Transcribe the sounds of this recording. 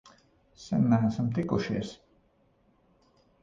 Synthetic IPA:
sɛ̰nːæːæsamt̪ikuʃiɛs

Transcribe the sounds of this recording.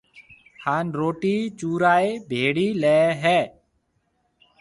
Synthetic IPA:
haːnɾoːʈiːt͡ʃuːɾaːeːbʱeːɽiːlɛːɦɛː

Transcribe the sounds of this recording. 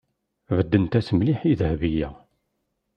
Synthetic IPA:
vəd̪ːənt̪æsmliħiðhvijæ

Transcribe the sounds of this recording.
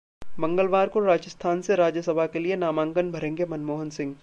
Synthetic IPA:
bɐ̃ŋɡəlʋaːɾkoɾaːd͡ʒəst̪ʰaːnseɾaːd͡ʒjəsɐbʱakelienaːmãːŋɡənbʱɐɾẽːŋɡemɐnmoːɦənsɪ̃ŋɡ

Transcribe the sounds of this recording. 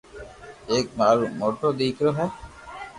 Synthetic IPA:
eːk̚maːɾumoʈod̪iːkɾoɦɛ

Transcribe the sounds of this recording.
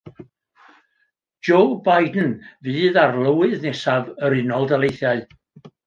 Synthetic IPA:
d͡ʒ̥oːbajdn̩viːðarlˠəwɪðnɛsavəɾɪnɔlˠdalˠejθjaɨ

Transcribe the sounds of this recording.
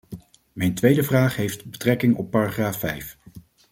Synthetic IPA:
mɛjntʋejdəvraːχɦejftbətrɛkɪŋɔpːaːraχraːfːɛ̰jf

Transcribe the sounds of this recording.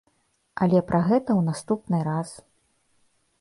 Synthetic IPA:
ʔɐlʲɛpɾʔaɣɛt̪ɐwnast̪upnɨɾas

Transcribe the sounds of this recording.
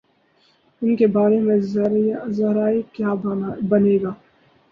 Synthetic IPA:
ʊnkebaːɾemẽzɐɾzɐɾaːikjaːbɐneːɡaː

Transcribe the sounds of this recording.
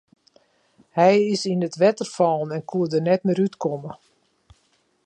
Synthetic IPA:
hɛjɪsinətʋɛtərfɔːnɛnkʰuədərnɛtmɪɾytkɔmə

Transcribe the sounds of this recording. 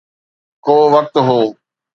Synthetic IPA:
koːʋək̚t̪ɦoː

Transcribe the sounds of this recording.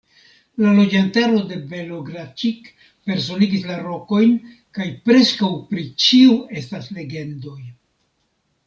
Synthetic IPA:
lalo̞d͡ʒantaɾo̞de̞be̞lo̞ɡɾat͡ʃik | pe̞ɾs̬o̞niɡislaɾo̞ko̞jn | kajpɾe̞skawpɾit͡ʃiue̞stasle̞ɡe̞ndo̞j

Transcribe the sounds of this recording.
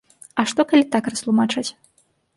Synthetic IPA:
ɐʂt̪ɔkalʲit̪akrɐst̪lˠumat͡ʂat͡sʲ

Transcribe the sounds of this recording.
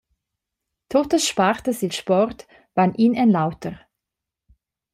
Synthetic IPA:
tʰoːtəsʃpaʁtəsɪlʃpɔʁt | v̥aːnʔiːnaɪnlaʊtʰəʁ

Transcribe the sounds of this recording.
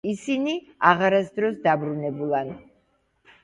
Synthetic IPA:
isini | aʁaɾasd̪ɾɔsd̪abɾunɛbulˠan

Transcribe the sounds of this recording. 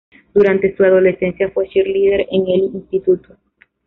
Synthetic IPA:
d̪̥uɾant̪e̞suaðo̞le̞se̞nsjafweʃiɾlið̞eɾeŋelinst̪it̪ut̪o

